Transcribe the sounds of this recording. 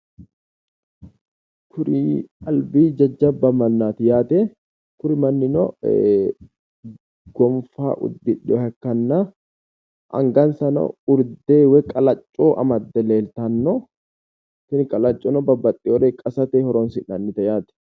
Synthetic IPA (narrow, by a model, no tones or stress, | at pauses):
kʰʊɾɪɐlbiːd͡ʒɐd͡ʒːɐbːɐmɐnːaːt̪ɪjaːt̪ɛ | kʊɾɪmɐnːɪnɔ | ɡ̥ɔmfa̰ːʔʊ̰d̪ːɪᶑɔhɐkːɐnːaː | ʔɐ̰ŋɡɐnsɐnɐ̰ʊɾdd̪eːwɛkʼɐlɐt͡ʃʼːoːʔɐ̰mɐd̪ːɛleːlt̪ɐnːɔ | t̪ɪnɪkʼɐlɐt͡ʃʼːoːnɔbɐbːɐt̪ʼːɪwɔɾeːkʼɐsɐt̪eːhɔɾɔnsɪnːɐnːɪt̪ɐjaːt̪ɛ̥